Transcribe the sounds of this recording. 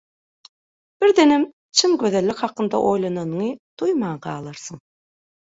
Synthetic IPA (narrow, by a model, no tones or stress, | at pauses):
b̥iɾd̪enem | t͡ʃʰimɡø̞ðelːikʲhɑqːɯnd̪ɑ̰ʔo̞jlˠɑnɑnɯŋɯd̪̥ujmɑːqɑːlˠɑɾsɯɴ